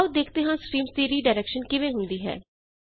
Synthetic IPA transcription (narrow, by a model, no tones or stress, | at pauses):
ud̪eːkʰt̪eːɦãːskɾiːmst̪iːɾiːɖaːɾɛːkʃənkɪʋẽːɦʊnd̪iːɦɛ̰ː